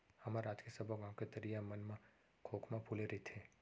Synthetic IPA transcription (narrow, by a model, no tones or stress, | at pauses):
hɐmaɾaːd͡ʒkesɐbʱoɡãw̃ket̪ɐɾijamənmã | kʰoːkʰmãpʰuleɾɐit̪ʰeː